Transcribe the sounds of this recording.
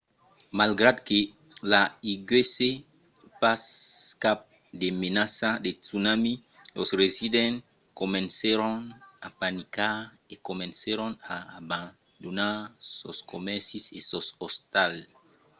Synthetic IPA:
malɡɾad̪ke | laiɡwese | paskap̚ | demenasadetunami | losresidɛ̃n | komɛ̃nseɾɔnapanika | ekomẽnseɾõnaːbãn | d̪onaso̰skomɛsisesosost̪al

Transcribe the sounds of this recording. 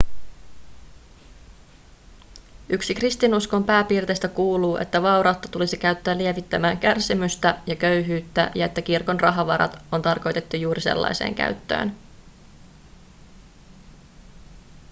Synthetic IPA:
ʔyksikrist̪inusko̞mpæːpiːrt̪e̞ːst̪ækuːluːʔe̞̰t̪ːæʋɑuɾɑwt̪ːɑt̪ulisikæɥt̪ːæːlːie̞ʋit̪ːæmæːŋkærsimyst̪æjɑkøɥɦyːt̪ːæ̰jɑe̞t̪ːækirko̞nrɑɦɑʋɑɾɑ̰t̪o̞nt̪ɑrko̞jt̪et̪ːujuːɾise̞̰lːɑ̰jse̞̰ːŋkæ̰ɥt̪ːø̰ːn

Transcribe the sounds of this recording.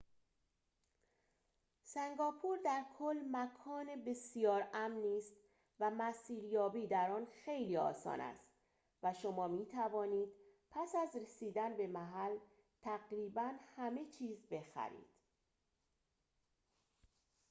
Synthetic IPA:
sæŋɡɒːpʰuːɾd̪æɾkʰolːmækʰɒːnebe̞sijɒːɾæmniːst̪ | væmæsiːɾjɒːbiːd̪æɾɒːnxejliːɒ̰ːsɒ̰ːnæ̰st̪ | væʃomɒːmiːt̪ʰævɒːniːd̪̥pʰæsæzɾesiːd̪ænbe̞mæɦæl | t̪ʰæɣɾiːbænhæme̞t͡ʃʰiːzbe̞xæ̰ɾḭːd̪̥

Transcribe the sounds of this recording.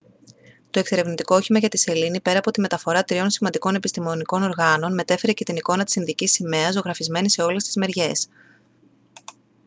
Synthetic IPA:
t̪o̞e̞kse̞ɾe̞vnit̪ikooçimɐʝɐt̪ise̞linipe̞ɾɐːpo̞t̪ime̞t̪ɐfo̞ɾɐt̪ɾio̞nsimɐnd̪iko̞ne̞pist̪imo̞niko̞no̞ɾɣɐno̞nme̞t̪e̞fe̞ɾe̞ce̞t̪iniko̞nɐt̪i̥sinðicisime̞ɐzo̞ɣɾɐfizme̞nise̞o̞le̞st̪i̥zme̞ɾʝe̞s

